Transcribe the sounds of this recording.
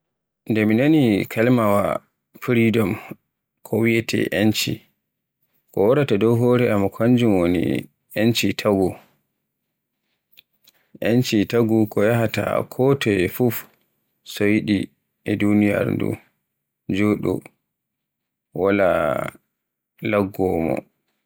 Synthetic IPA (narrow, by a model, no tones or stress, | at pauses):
ndɛminanikʰalmawa̰ | fiɾidɔm | kʰɔwijɛtʰɛ̰ʔent͡ʃḭ | kɔwɔɾatadɔwɦɔːɾɛamːakʰaɲd͡ʒumwonḭ | ent͡ʃitʰaɡu | ʔɛnt͡ʃitaɡukɔjaɦata̰kʰɔtʰɔjɛfuf | sojɗi | ɛdunija̰ɾndṵ | d͡ʒoɗɔ̰ | wala̰ | laɡːɔmɔ̰